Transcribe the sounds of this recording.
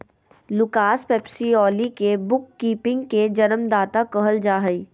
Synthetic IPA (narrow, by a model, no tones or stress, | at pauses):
lʊkaːspɛːpsiɔːlikebʊkːiːpɪ̃ŋɡked͡ʒɐnəmd̪aːt̪akəɦəld͡ʒaːɦəi